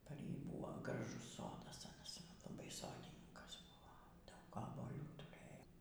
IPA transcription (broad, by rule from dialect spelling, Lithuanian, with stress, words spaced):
pɐr ˈjiː ˈbuːʋoː ɡrɐˈʒʊs ˈsoːdɐs ɐˈnɐs lˠɐˈbɐɪ ˈsoːdʲɪnʲɪŋkɐs ˈbʊʋoː ˈdɐʊk oːbuɔˈlʲuː tʊˈrɘjoː